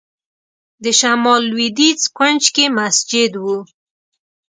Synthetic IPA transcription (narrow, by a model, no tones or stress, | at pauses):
d̪əʃamɑlwid̪it͡skwənt͡ʃkemasd͡ʒɪd̪wu